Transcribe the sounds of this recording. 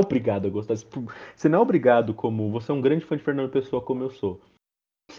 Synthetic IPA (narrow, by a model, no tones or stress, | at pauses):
obɾiɡad̪ʊɛɡost̪ḁpʊsenɐ̃ɛ̃obɾiɡad̪ʊkʰõmʊvoseɛũɡɾɐ̃d͡ʒɪ̥fɐ̃d͡ʒɪfeɾnɐ̃nd̪ʊpesoɐkõmʊewso | s